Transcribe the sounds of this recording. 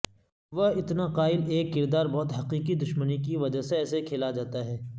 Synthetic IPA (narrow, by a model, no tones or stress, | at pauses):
ʋɐɦɪt̪naqaːɪleːkːɪɾd̪aːɾbɔɦʊt̪ɦɐqiːqid̪ʊʃmənikiʋɐd͡ʒaɦseɛːsekʰeːlad͡ʒaːt̪aɦɛː